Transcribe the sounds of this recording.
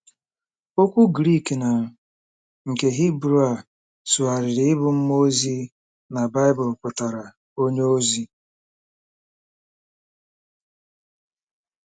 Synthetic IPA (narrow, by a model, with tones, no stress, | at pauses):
o˦kʷu˦ɡɾi˦˨kna˨ | ŋ̩˨ke˨ɦi˦bɾu˦a˨ | su˨a˨ɾɪ˨ɾɪ˦ɪ˦bʊ˦m̩˦mo˦zi˦ | na˨ba˦ɪ˦bʊ˨lpʊ˨ta˨ɾa˨ | o˦ɲe˦o˦zi˦